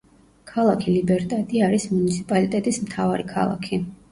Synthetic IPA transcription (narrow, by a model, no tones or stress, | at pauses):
kʰalˠakʰilibɛɾt̪ʼɛt̪ʼiaɾismunit̪sʰipʼalit̪ʼɛt̪ʼismt̪ʰavaɾikʰa̰lˠa̰kʰi